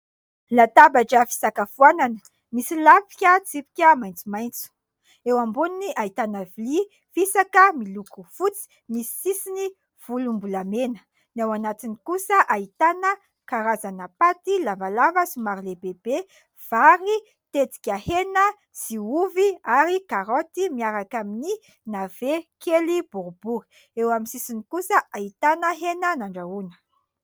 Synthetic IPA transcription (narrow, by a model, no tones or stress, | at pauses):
lat̪abaʈ͡ʂəfi̥sakəfuananə̥ | misilafi̥kʲət͡sipi̥kʲəmajnt͡sumajnt͡su̥ | ewambuniniʔait̪anavili | fisakəmilukufut͡si̥ | misi̥sisini | v̥ulumbulamenə̥ | newanat̪inikusəʔait̪anə | kaɾazanapat̪ilavalavəsumaɾlebebe | v̥aɾi | t̪et͡si̥kʲahenə | z̥iuviaɾikaɾot̪imiaɾakamini | nav̥ekʰelibuɾubuɾi̥ | ewamisisinikusəʔait̪anəɦenənaɳɖ͡ʐaunə̥